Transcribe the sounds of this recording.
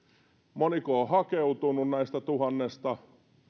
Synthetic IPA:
monikoːhɑkeut̪ununnæist̪æt̪uhɑnːest̪ɑ

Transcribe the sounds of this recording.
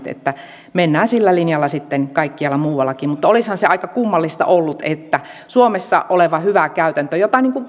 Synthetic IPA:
t̪ḛt̪ːæ | menːæːnsilːælinjɑlːɑsit̪ːenkɑikːiɑlːɑmuːwɑlːɑkiːmut̪ːɑolishɑnseɑikɑkumːɑlːist̪ɑ̰ʔolːut̪et̪ːæ | suomesːɑ̰ʔoleʋɑhyʋækæyt̪ænt̪øjot̪ɑˑniːŋku

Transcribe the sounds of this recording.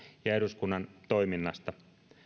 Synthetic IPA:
jɑeɾuskunːɑnt̪o̞iminːɑst̪ɑ

